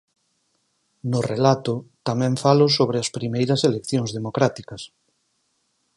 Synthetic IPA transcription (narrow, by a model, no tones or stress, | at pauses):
nʊrelat̪ʊt̪amɛ̃ɱfalʊsoβ̞ɾɪɐspɾimejɾɐselekθjoŋzðemokɾat̪ikɐs